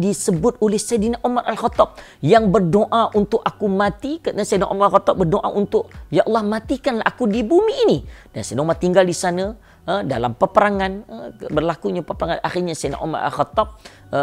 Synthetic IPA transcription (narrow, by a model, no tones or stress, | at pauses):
disəbʊt̪̚olɛhsajdinaʔomarʔalxɔt̪ɔp̚ | jaŋbərdoʔaʔunt̪ʊk̚akumat̪ikənasajdinaʔo̰maɾalxɔt̪ɔp̚bərdoʔa̰ʔunt̪ʊʔjaʔɑlˠːɑhmat̪ikanlahʔa̰kudibumiːnidansajdomart̪iŋɡaldisanə | əda̰la̰mpəpəɾaŋanbərlakuɲapəpəɾaŋana̰xirɲasajna̰ʔo̰ma̰ra̰lxɔt̪ɔp̚